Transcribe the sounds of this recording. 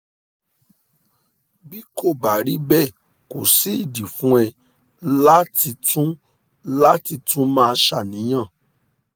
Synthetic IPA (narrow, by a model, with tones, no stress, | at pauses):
bi˦ko˦˨ba˨ɾi˨˦bɛ˦˨ | ko˨si˨˦i˦˨di˨fũ˦ɛ˧ | la˦ti˧tũ˦ | la˦ti˧tũ˦mãː˦˧ʃa˦˨nĩ˨˦j̃ã˦˨